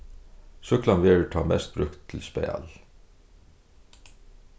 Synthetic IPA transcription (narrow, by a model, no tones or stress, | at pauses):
sʉklɑnʋɪːɹəʈʰɑːmɛ̰st̪̚bɾʉkt̪ʰːl̩spḛɪɑ̰l